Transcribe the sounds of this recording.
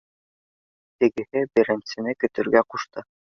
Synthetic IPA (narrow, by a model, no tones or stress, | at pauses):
t̪ɘ̆ɡɘ̆hɘbɘ̆ɾɘ̆nsɘ̆nɘkɵ̆t̪ɵ̆ɾɡæquʃt̪ɤ